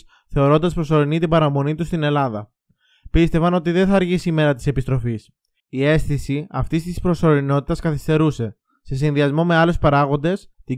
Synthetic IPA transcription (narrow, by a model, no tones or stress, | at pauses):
θe̞o̞ɾo̞nd̪ɐspɾo̞so̞ɾinit̪ibɐɾɐmo̞nit̪ust̪ine̞lɐðɐ | pist̪e̞vɐno̞t̪iðe̞nθɐːɾʝisime̞ɾɐt̪i̥se̞pist̪ɾo̞fis | ie̞sθisiɐft̪ist̪ispɾo̞so̞ɾino̞t̪i̥t̪ɐskɐθist̪e̞ɾuse̞ | se̞s̬inðiɐzmo̞me̞ɐle̞spɐɾɐɣo̞nd̪e̞st̪i